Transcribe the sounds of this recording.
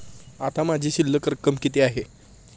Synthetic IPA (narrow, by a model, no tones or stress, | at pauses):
at̪amad͡ʑʱiːɕilːəkəɾkːəmkit̪eaɦe